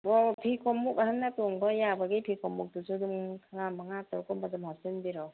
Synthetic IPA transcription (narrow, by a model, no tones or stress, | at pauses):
bɔpʰikʰɔmukahanːatoŋbɔjabaɡipʰikʰɔmuk̚dusuduŋkʰaŋamaŋatɔɾkɔmbadɯmhasinbiɾɔ